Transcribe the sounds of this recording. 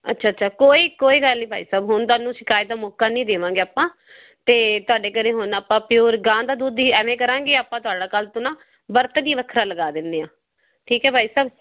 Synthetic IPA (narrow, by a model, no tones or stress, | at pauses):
ə̰tːʃʰaːtːʃʰaːkoːiːkoːiːɡəlːiːbʱaːiːsəːbɦʊnt̪̬ʊaːnũːʃɪkaːiːd̪aːmoːkːaːnĩːd̪eːʋãːŋɡeːaːpãː | t̪eːt̪ʊaːɖeːkəɾeːɦʊnaːpãːpɪjoːɾɡãːd̪aːd̪uːd̪iːɛːmɛ̃ːkəɾãːŋɡeːaːpãːt̪̬ʊaːɖaːkəlt̪onãː | bəɾt̪d̪iːʋəkʰɾaːləɡaːd̪ɪnd̪eːãː | ʈʰiːkɛːbʱaːiːsəb